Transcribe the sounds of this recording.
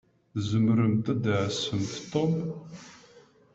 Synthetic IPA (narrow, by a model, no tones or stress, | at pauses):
zəmɾəmt̪æd̪aʕsəmθt̪ˤːom